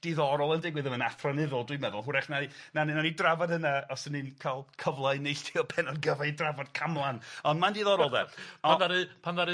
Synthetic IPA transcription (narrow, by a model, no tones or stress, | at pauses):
d̥iðɔɾɔlˠəndɪɡwɨðəmənaθranɪðɔlˠdwimɛðʊlˠɦʊɾɛχnainannanidravad̥hənaɔsəninkʰalˠkʰəvlˠaɨnejɬtʰiɔpʰɛnɔdɡəvaɨdravɔd̚kʰamlˠanɔndmandiðɔɾɔlˠdɛ̰panðaɾɨpʰanðaɾɨ